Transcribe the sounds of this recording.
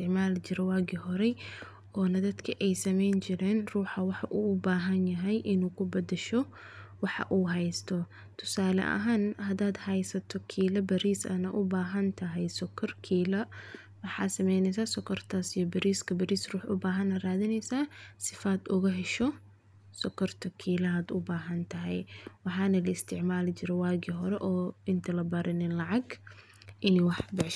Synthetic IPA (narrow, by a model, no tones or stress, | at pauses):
st̪ɪʕmaːlt͡ʃɪɾɛwaːɡiːɦɔɾɛ | ʔɔːnɐd̪ɐd̪kʰɐʔɛjsɐmɛjnt͡ʃɪɾɛːnruːħɑwɑħɑʔuːʊbaːɦɐnjɐɦɛjʔɪnuːkʰʊbɐd̪ɛʃɔ | wɑħɑ̰ʔuːɦɛjst̪ʰɔ | t̪ʰʊ̥saːlɐ̰ʔɐ̰ɦaːnhɐd̪aːd̪hɐjsɐt̪ʰɔkʰiːlɐbɐɾiːsɐ̰nɐʔʊbaːɦɐnt̪ʰɐɦɛjsɔkʰɐrkʰiːlɐ | wɑħɑːd̪sɐmɛjnɛjs̬aːsɔkʰɐrt̪ʰaːsijɔbɐɾiːskʰɐbɐɾiːsruːħʊbaːɦɐnɐraːðɪnɛjsaːsɪfaːd̪ʊɣɐɦɛʃɔ | sɔkʰɐrt̪ʰɐkʰiːlɐaːd̪ʊbaːɦɐnt̪ʰɐɦɛ̰jwɑħɑːnɐlɐɪst̪ʰɪʕmaːlɪt͡ʃɪɾɔwaːɣiɦɔɾɛʔɔːɪnt̪ʰɐlɐbɐɾʔɪnɪnlɑʕɑɡ | ʔɪnɛwɑħbɪʕʃ